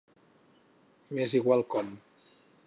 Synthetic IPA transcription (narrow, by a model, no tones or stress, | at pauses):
meziɣwalˠkɔn